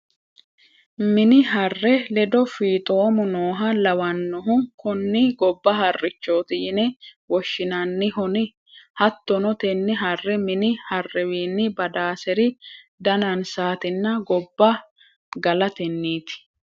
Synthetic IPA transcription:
mɪnɪɦɐrːɛlɛd̪ɔfiːt̪ʼoːmʊnoːɦɐlɐwɐnːɔɦʊkʊnːɪɡɔbːɐɦɐrːɪt͡ʃːo̞ːt̪ɪjɪnɛwɔʃːɪnɐnːɪɦʊnɪ | hɐt̪ːɔnɔt̪ɛnːɪɦɐrːɛmɪnɪhɐrːɛwiːnːɪbɐd̪aːsɛɾɪ | d̪ɐnɐnsaːt̪ɪnːɐɡɔbːɐ | ɡɐlɐt̪ɛnːiːt̪ɪ̥

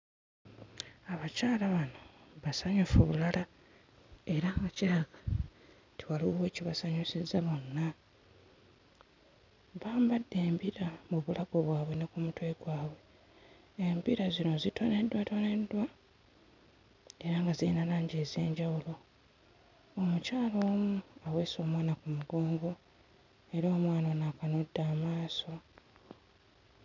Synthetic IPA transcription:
aβacaːlaβanoβasaɲufuβulala | e̞ɾaŋɡaciɾaɡḁ | tʰiwaluweciβasaɲusizaβo̞nːa | βaːmbadːe̞ːmpiɾamuβulaɡoβwaːβwe̞nekumutweɡwaːβwe̞ː | mpiɾazino̞zitone̞dːwatone̞dːwa | e̞ɾaŋɡaziinalaːɲɟeːzje̞̰ːɲɟawulo̞ | omucaːlo̞ːmuaweːso̞ːmwaːnakumuɡo̞ːŋɡo̞ | e̞ɾo̞ːmwaːnonaːkanodːaːmaːso̞

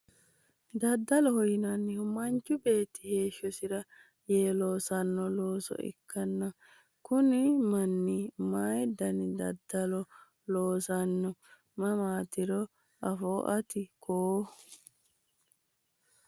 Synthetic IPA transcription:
d̪ɐd̪ːɐlɔhɔjɪnɐnːɪhʊmɐnt͡ʃːʊbe̞ːt̪ːɪ̥he̞ːʃːɔsɪɾɐ | jeːlo̞ːsɐnːɔloːsɔ̰ɪ̰kːɐnːɐ | kʊnɪmɐnːɪmaːjd̪ɐnɪd̪ɐ̰d̪ːɐlɔ | loːsɐnːɔ | mɐmaːt̪ɪɾɔ | ʔɐfoːʔɐt̪ɪkʰoː

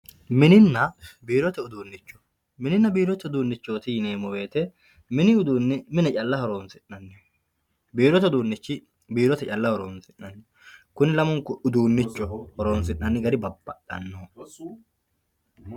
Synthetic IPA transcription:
mɪnɪnːɐbiːɾɔt̪ɛʊd̪uːnːɪt͡ʃːɔ̥ | mɪnɪnːɐbiːɾɔt̪ɛʊd̪uːnːɪt͡ʃːo̞ːt̪ɪjɪneːmɔwe̞ːt̪ɛ | mɪnɪʊd̪uːnːɛmɪnɛt͡ʃʼɐlːɐhɔɾo̞ːnsɪnːɐnːɛ | biːɾɔt̪ɛʊd̪uːnːɪt͡ʃːɪ | biːɾɔt̪ɛt͡ʃʼɐlːɐhɔɾoːnsɪnːɐnːɛ | kʊnɪlɐmɔŋkːʊʊd̪uːnːɪt͡ʃːɔhɔɾoːnsɪnːɐnːɪɡɐɾɪbɐbːɐ̰ɗɐ̰nːoː

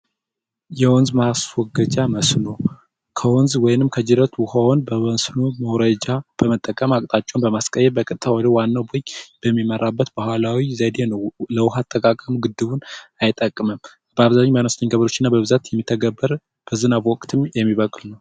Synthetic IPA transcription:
jɛwɔnzmaswɔɡəd͡ʒaməsno | kʰəwɔnzwɔjnɨmkʰəd͡ʒɪɾət̪ʰwʊhawnbəwənsnoməwɾəd͡ʒab̥əmət̪ʼːəkʼəmakʼt̪ʼat͡ʃʼːonbəmaskʼəjːɛlbəkʼɨt̪ʼt̪ʰawɔd̪əwanːawboɲb̥əmːiməɾabːət̪bəhʷalawizəd̪e̞nəwləwʊɦat̪ʰʼːəkʼakʼəmɡɨd̪ːɨβunajt̪ʼːəkʼːməm | b̥əaβzaɲːmanosnəɲɡəβɾo̞t͡ʃːɪnːabəβɨzat̪jɛmːit̪ʰːəɡəbːəɾ | b̥əzɨnaβwɔkʼt̪ʰɨmjɛmːiβəkʼlnəw

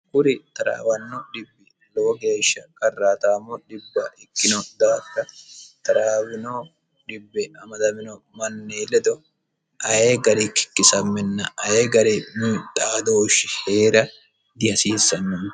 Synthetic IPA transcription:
kʊɾɪt̪ɐɾa̰ːwɐnːɔɗɪbːɪ | lɔwɔɡe̞ːʃːɐkʼɐrːaːt̪aːmːɔᶑɪbːɐʔɪkːɪnɔd̪aːdːɐt̪ɐɾaːwɪnoː | ᶑɪbːɛɐmɐd̪ɐmɪnɔ | mɐnːeːlɛd̪ɔ | ʔɐjeɡɐɾɛkːɪ̥kːɪsɐmːɛnːɐʔɐjeɡɐɾɛmiːt̪ʼaːd̪oːʃːɪheːɾɐ | d̪ɪhɐsiːsːɐnːɔ

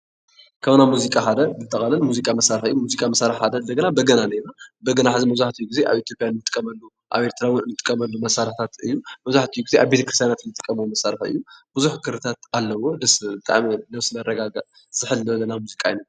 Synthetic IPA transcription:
kʰɐβnamuzikʼaħad̪ɐnzɨt̪ʼːɐxʼɐlɐnmuzikʼamɐsaɾɨħɨjːumuzikʼamɐsaɾɨħħad̪ɐɨnd̪ɐɡɐnabɐɡɐnanɐjnabɐɡɐnaħazimɐβzaħt̪ʰijːuɡize̞ʔa̰βit̪ʰjo̞pʼjanɨnːɨt̪ʼɨkʼːɐmɐlːu | ʔa̰βe̞ɾt̪ʰɾawɨnnːɨt̪ʼɨ̥kʼːɐmɐlːumɐsaɾħt̪ʰat̪ɨjːumɐβzaħt̪ʰɨjuɡize̞ʔaβbe̞t̪ʰɐkɨɾist̪ʰjanat̪ɨnːɨt̪ʼɨkʼːɐmwomɐsaɾɨħɨ̰jːubɨzuħkʰɨɾɨt̪ʰat̪alːɐwo̞d̪ɐsbɨt̪ʼa̰ʕminɐβsɨlɐrɐɡaɡa | z̥ɨħɨlɐβlːɐnamuzikʼaina

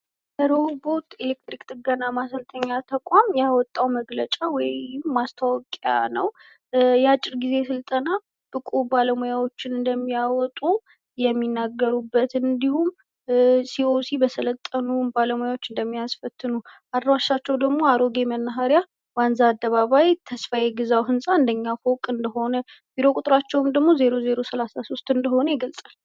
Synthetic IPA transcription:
bəɾobo̞ɾt̪e̞lek̚t̪ɾikt̪ɨɡanːamasəlt̪ʰəɲːat̪ʰəkʷʼamjawɔt̪ʼːawməɡlət͡ʃʼawɔɪmːast̪ʰawɔkʼja̰nəw | jɛat͡ʃʼːɪɾɡize̞sɨlt̪ʼəna | bɨkʼubaləmujawo̞t͡ʃːɪnɨnd̪əmːijawɔt̪ʼu | jɛmːinːaɡːəɾubːət̪ɨnd̪ihum | sio̞sibəsələt̪ʼːənubaləmojawo̞t͡ʃːɨnd̪əmːijasfət̪ʰːɨnuʔad̪waʃːat͡ʃːɛwd̪əɡmo̞aɾo̞ɡe̞mənːaɦaɾja | wanzaːd̪ːəβaβajt̪ʰəsfajɛɡɨzawɦɨnsʼaɨnd̪əɲːafokʼɨnd̪əɦo̞nə | b̥iɾo̞kʼut̪ʼɾat͡ʃːɛwmd̪əɡmo̞ze̞ɾo̞ze̞ɾo̞səlasaso̞st̪ɨnd̪əho̞nəjɛɡəlsʼal

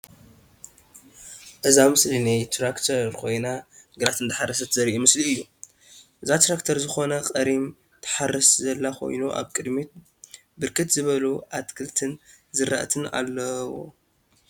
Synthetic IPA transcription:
ʔɨzamɨslinajt̪ʰɾakt̪ʰɐɾkʰo̞jnaɡɨɾat̪ʰɨnd̪ɨħarɐsɐt̪ʰɨzɐɾiʔumɨsliɨjːu | ʔɨzat̪ɾakt̪ʰɐɾzɨxo̞nɐqʼɐɾim | t̪ʰɨ̥ħarːɐszɐlːakʰo̞̰jnuʔa̰βkʼɨd̪mit̪ | bɨɾkʰɨt̪zɨβɐluʔat̪kʰɨlt̪ʰɨn | zɨɾa̰ʔt̪ʰɨna̰lːɐwo̰

